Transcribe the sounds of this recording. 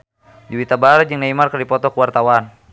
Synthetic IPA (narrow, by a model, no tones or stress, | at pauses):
d͡ʒuwit̪abaɾad͡ʒɨŋnaimarkərdipɔt̪ɔkuwart̪awan